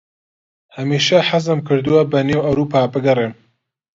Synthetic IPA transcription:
hɐmiːʃɐħazɨmkʰɨɾd̪ɨwɐbɐneːwɐwɾuːpʰaːbɨɡɐreːm

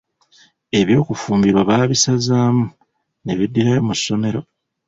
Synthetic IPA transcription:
e̞βjo̞ːkufuːmbiɾwaβaβisazaːmu | ne̞βidːiɾajomusːo̞me̞ɾo̞

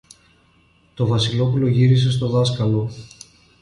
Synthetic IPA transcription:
t̪o̞vɐsilo̞pulo̞ʝiɾise̞s̬t̪o̞ðɐskɐlo̞

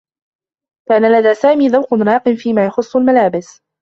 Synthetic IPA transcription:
kaːnalad̪aːsaːmiːðawqʊnɾˤɑːqɨmfiːmaːjɑxʊsˤːʊlmalaːbɪs

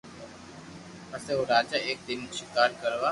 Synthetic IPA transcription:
ɐseɦoɾaːd͡ʒaʔeːk̚d̪ɪnʃɪkaːɾkəɾʋaː

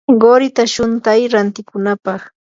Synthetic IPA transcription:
ɢoɾɪt̪aʃʊnt̪ajɾant̪ɪkʊnapɑχ

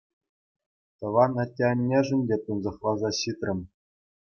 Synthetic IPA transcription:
t̪ɤ̆ʋɑnɑtʲːenʲːeʐɘ̆nʲdʲet̪ɯnzɤ̆χlˠɑzɑɕit̪rʲɘ̆m

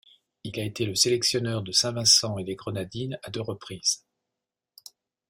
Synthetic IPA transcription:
ilaet̪eləselɛksjɔnœʁd̪əsɛ̃vɛ̃sɑ̃ed̪eɡʁənad̪inad̪øʁəpχiːz̥

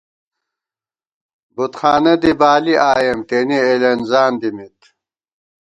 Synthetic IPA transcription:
but̪xaːnɐd̪ibaːliʔaːjɐmt̪enielɐnzaːnd̪imit̪

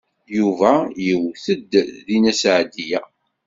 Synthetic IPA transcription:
juvæjəwθəd̪ðinæsʕd̪ijæ

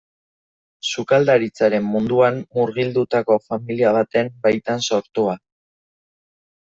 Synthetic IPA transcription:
sukald̪aɾit͡saɾe̞mːund̪uammuɾɣild̪ut̪ako̞familiaβ̞at̪e̞mbajt̪anso̞ɾt̪ua

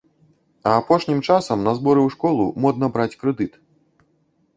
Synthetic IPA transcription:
ɐːpɔʂnʲimt͡ʂasɐmnɐzbɔɾɛwʂkɔlˠumɔd̪̚nɐbɾat͡sʲkɾɛd̪ɨt̪

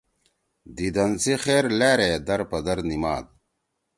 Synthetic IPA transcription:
d̪id̪ɐnsixeːɾleːɾed̪ɐɾpɐd̪ɐɾnimaːd̪̚

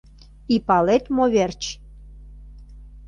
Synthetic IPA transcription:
ipɑlet̪moβert͡ɕ

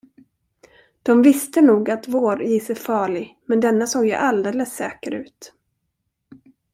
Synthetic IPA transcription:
d̪̥ɔmvɪst̪ənuːɡat̪voːɾjiːsɛjfɑːɭɪmɛnd̪ɛnːasoːɡjə̰ʔald̪eːləsːɛːkəɾʉ̟ːt̪

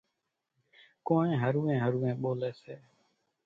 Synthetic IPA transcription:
koːɳẽːɦəɾuːẽːɦəɾuːẽːɓoːleːseː

